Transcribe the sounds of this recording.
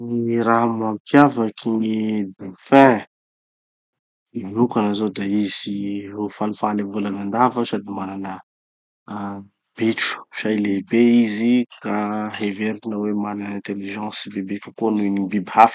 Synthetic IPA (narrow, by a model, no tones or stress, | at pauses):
niɾaɦamampjavakʰinid̪ufɛ̃ | inukanazod̪aiz̥iɦofalufalevulanand̪avəsad̪imaɾanə | b̥eʈ͡ʂu̥ʃailebeizikaɦeveɾuinəwemananɛ̃nt̪eliʒɑ̃sibebekʲə̥konuinibibihafi̥